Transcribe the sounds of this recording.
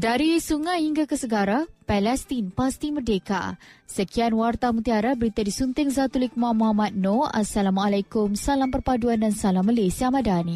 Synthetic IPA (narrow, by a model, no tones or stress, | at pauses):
daɾisuŋajhiŋɡakəsəɡaɾapɛlɛst̪inpast̪imərdeka̰səkianwart̪amũt̪iaɾabəɾit̪adisunt̪ɪŋzat̪ulik̚mamuɦamat̪̚noa̰salamalakʊmsalampərpaduandansalamːalasiamadani